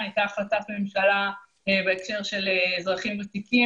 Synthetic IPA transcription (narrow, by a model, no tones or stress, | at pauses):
ajtaχlatatme̞mʃala | ebeekʃeʁʃe̞lezʁaχimvetiki